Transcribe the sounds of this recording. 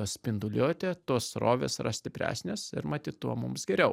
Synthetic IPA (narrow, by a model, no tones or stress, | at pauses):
ɐsʲpʲɪnd̪ʊlʲoːt̪ʲeːt̪uɔsɾoːʋʲesɪɾɐsʲt̪ʲɪpʲɾʲæ̰ːsʲnʲeːsɪɾmɐt̪ʲiːt̪t̪uɔmʊmsɡʲɛɾʲɛʊ